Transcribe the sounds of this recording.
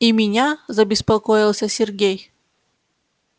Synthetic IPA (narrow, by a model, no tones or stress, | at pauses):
imʲinʲazɐbʲɪspɐkɔjilˠsʲɐsʲɛrɡʲej